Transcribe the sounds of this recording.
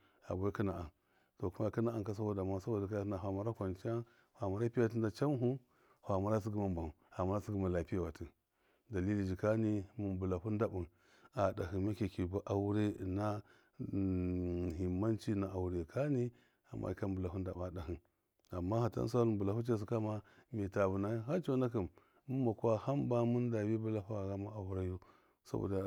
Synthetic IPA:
a̰˨ba˨˦ki˦na˨a˨n | to˨ku˦ma˦ki˦na˦a˨ka˦s̬a˦bo˦da˨ma˦sa˦bo˦˨da˨ka˦a˦na˨ɦʷa˨ma˨ɾa˦kʷa˨nt͡ʃa˦ | hʷa˨ma˨ɾa˦pi˦a˨ti˦n˦a˦t͡ʃa˦m˦ɦu˦ | hʷa˨ma˨ɾa˦s̬i˦ɡi˦ma˦m˨ba˨m˨a˨ma˦ɾa˦si˦ɡi˦ma˨la˨pi˦ja˨wa˨ti˨ | da˨li˦li˦˨d͡ʒi˨ka˦ni˦mu˨mbu˨la˨hu˦n˦da˨bu˨n | a˨da˨hi˨ma˦ke˨ki˨ba˦ʔa˨wu˦ɾe˦˨na˦˨ | ɦi˨mːa˦nt͡ʃi˦na˨ʔa˨wu˨ɾe˨kʰa˦ni˦ | a˨mːa̰˦˨ka˦mbu˨la˨ɦu˦n˦da˨ba˨da˨ɦi˨n | a˨mːa˦ha˨ta̰˦n˦s̬a˦lu˦˨bu˨la˨hu˦t͡ʃa˦s̬i˨ka˦ma˦mi˨ta˨bu˨na˦ɦa˦t͡ʃo˦na˦ki˨m | mu˦ma˨kʷa˦ha˦mba˦mu˦n˦da˨bi˦bu˦la˦ɸu˦a˨ɡa˦ma˦a˨wu˦ɾa˦jo˦ | sa̰˦bo̰˨da˦

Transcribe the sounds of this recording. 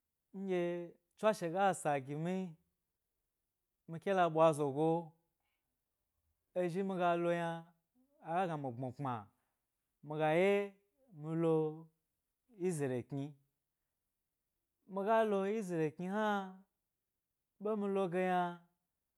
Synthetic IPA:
ŋ̩˦ɡʲe˧ | t͡ʃʷa˦ʃe˨ɡa˦˨sa˨ɡʲi˨mi˦ | mi˧kʲe˦la˧ɓwa˧zo˨ɡo˧ | e˧ʒi˦mi˧ɡa˧lo˧jaː˧˨ | ɡa˦ɡa˨mi˨ɡ͡bo˨k͡pa̰˨ | mi˧ɡa˨je˦ | mi˧lo˧ | ji˦ze˨ɾe˨kɲʲi˧ | mi˧ɡa˦lo˧ji˦ze˨ɾe˨ki˧ha˦ | ɓe˦mi˧lo˧ɡe˧ja˧

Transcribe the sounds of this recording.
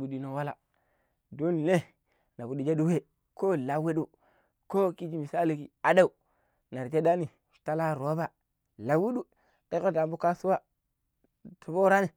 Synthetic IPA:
bu˨di˦no˨wa˦la̰˨ | do˦n˨ne˦ | na˨bu˦di˨d͡ʒa˦du˦we˦ | ko˦la˨we˦du˨ | ko˦ki˦d͡ʒi˦mi˨sa˦li˨ki˨a˨da˦u˨ | na˨ɾd͡ʒe˦da˦ni̥˨ | ta˦la˦ɾo˨˦ba˨ | la˨wu˦du˦ | ke˦ko˦da˨mbu˦ka˦su˦wa˦ | tu˨bo˦ɾa˦ni˨

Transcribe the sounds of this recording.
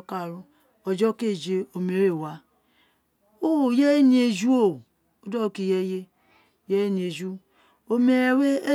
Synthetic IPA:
ka˨ɾu˦ | o˨d͡ʒɔ˦ke˦˨d͡ʒe˦o˨me˨ɾe˨wa˨ | o˦˨je˦n˦e˨d͡ʒu˦o˦˨ | o˦do˦o˨ki˨je˦je˦ | je˦n˨e˨d͡ʒu˦ | o˨me˨ɾe˨˦we˦e˦

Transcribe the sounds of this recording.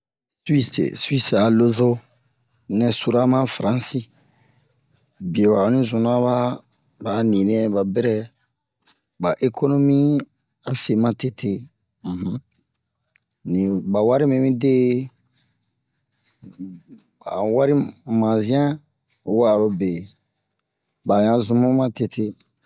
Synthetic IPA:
swi˦sḛ˨swi˦sa˨lo˦zo˦ | nɛ̃˨su˨ɾa˦mã˦fɾã˨˦si˦ | bi˨e˨wa˨o˨nĩ˦zũ˨n˦a˦βa˦ | ba˨˦nĩ˨nĩ˦ɛ̃˦ba˨bɛ˦ɾɛ˦ | ba˨ʔe˦ko˦no˦mi˦ | a˨se˨mã˦te˦tʰe˦ | m̩˨h̩˦ | nĩ˨ba˨wa˦ɾi˦mɛ̃˨mĩ˦de˦ | a̰˨wa˦ɾi˦mã˨zĩ˦ã˦ | wa˨lo˦be˨ | ba˨ɲã˨zũ˨mũ˦mã˦te˦tʰe˦

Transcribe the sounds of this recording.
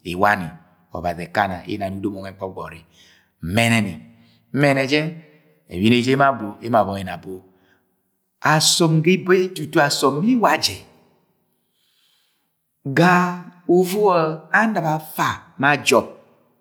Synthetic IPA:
e˨wa˦ni˨ | ɔ̰˨βa˨zi˨e˨ka˦na̰˨ḛ˦na˨nu˦do˦mɔ˨ŋɛ˨˦k͡pɔ˦ɡ͡bɔ̰˨ɾi˨ | mɛ˦nɛ˨ni˨ | m̩˦mɛ˦˨nɛ˨d͡ʒɛ˦ | ḛ˨wi˦ne˦d͡ʒe˦ma˦bu˨e˦ma˨βɔ˨˦e˨na˨bo˦ | a˨sɔ˨mɡi˦be˦tu˨tu˦a˨sɔ˨mː˦i˦wa˨d͡ʒɛ˨ | ɡa˦u˨vu˦ɔ˦a˦na˨ba˨fa˨ma˦d͡ʒɔ˦p̚

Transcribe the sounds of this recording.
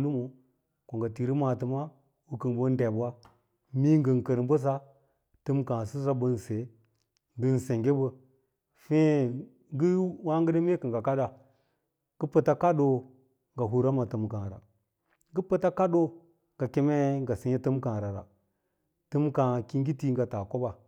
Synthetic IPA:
lu˦mo˨ | ko˨ŋɡa˨ti˨ɾi˦ma˨tɨ˨ma˦ | wu˦kə˨nbo˦n˦de˨ba˦ | mi˦ŋ˦ɡə˨ŋkə˨ɾbə˦s̬a˦ | tɨ˦mkã˨su˦sa˦bə˦n˨se˨ | ŋ˦ɡə˦nse˨ŋɡe˦bə˨ | fe˦ | ɡi˦wa˦ŋɡə˦də˦me˦kɨ˨ŋɡa˨ka˦da˨ | ɡ̥ə˦pə˦ta˦ka˦do˦ | ŋɡa˨ɦu˨ɾa˦ma˨tɨ˨mkã˨ɾa̰˨˦ | ɡə˦pə˦ta˦ka˦ɗo˦ | ŋɡ̥a˨ke˦me˦ŋɡa˨si˨˦ɲe˦tɨ˦mkã˨ɾa˨ɾa̰˨ | tɨ˦mka˨ki˦ŋɡi˦ti˦ŋɡa˨ta˨ko˦ba˨

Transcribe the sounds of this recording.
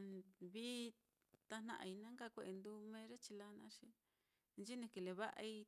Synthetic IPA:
βi˦ | t̪a˧nã̰˧ʔa̰˧˨i˧nã˦ŋɡa˦˨kʷe˧ʔe˧nd̪u˧mẽ˧˦ɾe˦t͡ʃi˧la˦nã˧˦ʃi˧ | nt͡ʃi˦nĩ˧˨ki˨˧le˨βa˦ʔa˧i˧

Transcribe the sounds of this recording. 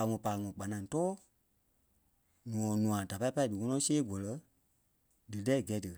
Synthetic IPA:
a˨˧ŋɔ̃˨paː˨ŋɔ̃˨k͡pa˨nã˧˨ŋ˨tɔː˦ | nũ˨ɔ̃˨nũ˨ã˨da˨pa˧˦i˦pa˦i˦˨dɨ˨ŋɔ̃˧nɔ̃˧˦seː˦ɡɔ˨lɜ˧˦ | dɨ˨lɛ˦˨ɡɛ˨˦dɨ˨

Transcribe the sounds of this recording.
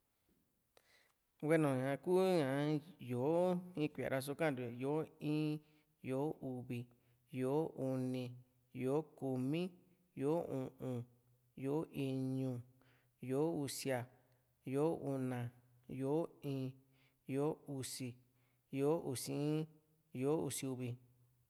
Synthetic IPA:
we˦nõ˨ɲã˧kuː˦ɲã˨jo˨˦ĩ˦kʷi˨a̰˨ɾa˧s̬o˧kã˦ndu˧˨jo˨˦ĩː˦ | jo˨˦u˧βi˨ | jo˨˦u˧nĩ˧ | jo˨˦ku˧mĩ˦ | jo˨˦ũ˨ʔũ˧ | jo˨˦ʔi˧ɲũ˧ | jo˨˦u˧si˧a˧ | jo˨˦u˧nã˧˨ | jo˨˦ĩː˦˧˦ | jo˨˦u˧si˧ | jo˨˦ʔu˧˨sĩ˧˦ | jo˨˦ṵ˧si˧u˧βi˧

